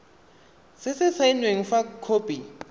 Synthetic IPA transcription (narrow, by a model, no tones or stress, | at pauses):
sɪsɪsainweŋ̩fakʰoːpʼi